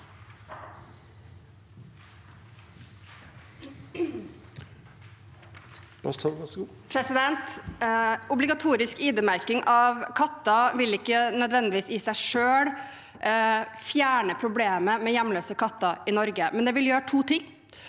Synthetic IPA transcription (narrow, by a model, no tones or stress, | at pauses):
b̥ɑst̪ʰɑɡɑsɡuː | pʰɾɛsɪd̪ɛnt̪ | ʊblɪɡɑt̪ʰuːɾɪskiːd̪əmæɾkɪŋʔɑʋkʰɑt̪ːɑʋɪlɪkːənœd̪ʋɛnd̪ɪʋiːsiːsæɪʂøːɽ | fjæːɳəpʰɾʊbleːməmɛjæmløːsəkʰɑt̪ːɑʔɪnɔɾɡəmɛnd̪ɛːʋɪljøːɾəʈʰuːt̪ʰɪŋː